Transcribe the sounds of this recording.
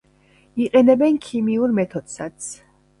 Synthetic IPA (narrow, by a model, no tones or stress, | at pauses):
iqʼɛnɛbɛnkʰimiuɾmɛt̪ʰɔd̪̥sat̪sʰ